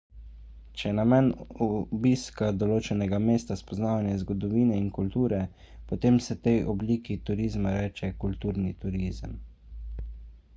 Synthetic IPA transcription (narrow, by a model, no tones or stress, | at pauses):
t͡ʃɛnamɛnɔbiskad̪ɔloːt͡ʃɛnɛɡameːst̪aspɔznaːʋanjɛzɡɔd̪ɔʋiːnɛinkult̪uːɾɛ | pɔt̪eːmsɛt̪ɛjʔɔbliːkit̪uɾiːzmaɾɛːt͡ʃɛkult̪uːɾnit̪uɾiːzə̰m